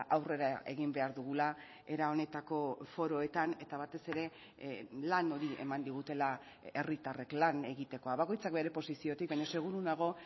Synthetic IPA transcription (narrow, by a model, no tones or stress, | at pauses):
ʔawre̞ɾae̞ɣimbe̞aɾðuɣ̞ula | e̞ɾao̞ne̞t̪ako̞fo̞ɾo̞e̞t̪ane̞t̪aβat̪e̞se̞ɾe̞ | lano̞ɾie̞̰mand̪iɣ̞ut̪e̞la | e̞rit̪are̞klane̞ɣit̪e̞ko̞aβako̞jt͡sak̚be̞ɾe̞po̞sisio̞t̪ik̚baɲose̞ɣ̞uɾunaɣ̞o̞